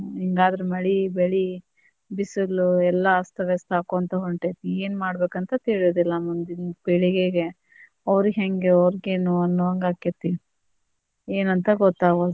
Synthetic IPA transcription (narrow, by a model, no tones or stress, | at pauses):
ɦiŋɡaːd̪ɾemɐɭibeɭi | bisuluɛlːɐːst̪ɐʋjɐst̪aːkoɐnt̪ɐɦoɳʈet̪ːieːnmaːɽbeːkɐnt̪ɐt̪eːɭijoːd̪ilːɐmund̪inbeɭiɡeɡe | ɐʋɾiɡɦeŋɡeɐʋɾiɡeːnuɐnːuʋɐŋɡaːkːet̪ːi | eːnɐnt̪ɐɡɔt̪ːaːɡod̪u